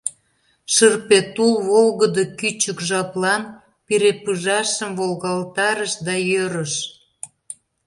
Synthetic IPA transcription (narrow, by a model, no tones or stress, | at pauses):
ʃərpet̪ulβolɣəd̪əkyt͡ɕəkʒɑplɑn | peɾepɯʒɑʃəmvolɣɑlt̪ɑɾəʃd̪ɑjøɾəʃ